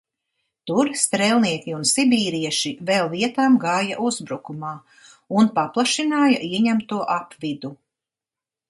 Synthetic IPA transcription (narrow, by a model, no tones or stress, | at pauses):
t̪uɾst̪ɾɛlˠniɛkʲiunsibiːɾiɛʃivɛlˠviɛt̪aːmɡaːja̰ʔuzbɾukumaː | unpaplˠaʃinaːjaʔiɛɲæmt̪uɔʔapvid̪u